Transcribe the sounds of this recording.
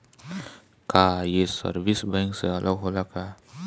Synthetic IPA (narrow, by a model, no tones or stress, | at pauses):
kaːjesə̰ɾbɪsbɛ̃ːŋkseɐlʔəɡɦoːlakaː